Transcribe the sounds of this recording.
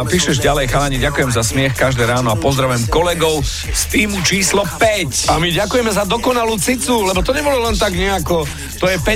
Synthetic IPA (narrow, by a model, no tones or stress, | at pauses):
piːʃɛʒɟalɛjxalaɲiɟakujɛmzasmɪɛxkaʒd̪ɛːɾaːnɔapɔzd̪ɾaʋɛmkɔlɛɡɔʊ | st̪iːmut͡ʃiːslɔpɛcamiɟakujɛmɛzad̪ɔkɔnaluːt͡sit͡sulɛbɔt̪ɔɲɛbɔlɔlɛnt̪aɡɲɛakɔ | t̪ɔjɛpɛ